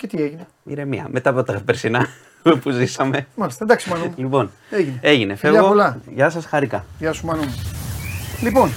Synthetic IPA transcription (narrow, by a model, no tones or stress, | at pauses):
cet̪ieʝine | mḭɾemiɐ̰me̞t̪ɐpot̪ɐɣpeɾsinɐ | puzisɐme̞mɐlist̪ɐed̪ɐksumɐnumelipo̞n | eʝinnee̞ʝine̞fevʎɐɣoolɐʝɐs̬ɐsxɐɾikɐʝɐsumɐnume | lipon